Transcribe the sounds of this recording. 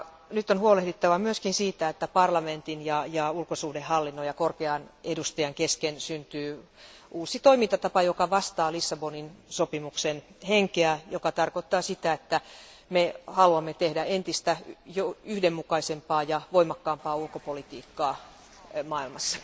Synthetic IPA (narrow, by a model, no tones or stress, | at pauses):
nyt̪ːonhuolehdit̪ːɑʋɑmyøskinsiːt̪æet̪ːæpɑrlɑment̪injɑjɑulkosuːhdehhɑlːinːojɑkorkeɑnedust̪ɑjɑŋkeskensynt̪yːʔuːsit̪oimint̪ɑt̪ɑpɑjokɑʋɑst̪ɑːlisːɑboninsopimuksenheŋkeæjokɑt̪ɑrkot̪ːɑːsit̪æet̪ːæ | mehɑluɑmːet̪ehdæent̪ist̪æjoyhdemːukɑisempɑːjɑʋoimɑkːɑːmpɑːulkopolit̪iːkːɑː | mɑːilmɑsːɑ̥